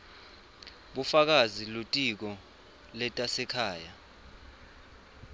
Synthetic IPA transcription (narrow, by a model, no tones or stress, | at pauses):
ɓufak̬azilutʼik̬ɔ | lɛtʼasɛkʰaːja